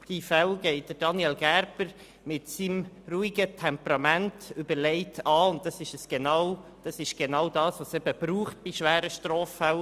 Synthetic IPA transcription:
d̥ifɛlɡ̥ɛɪt̚d̥əɾd̥ɑniɛlɡæɾbəɾ | mɪtsim | ruːiɡətʰɛmpɾɑmæntʏbəɾlɛɪtʰɑːʊnt̚dɑsɪʃəsɡ̥enɑwd̥ɑsɪʃɡ̥enɑwdɑːsʋosɛb̥əb̥ɾuːχt̚b̥ɪʃʋæːɾəʃtɾoːfːɛw

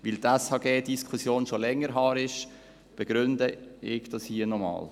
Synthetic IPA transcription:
ʋɪlt̪æshɑːɡeːdiskʰχusjoːnʃolɛŋːəɾɦɑːɾɪʃ | b̥ɛɡ̥ɾʏnd̪əɪɡd̥ɑshiːənɔmɑ̰ːl

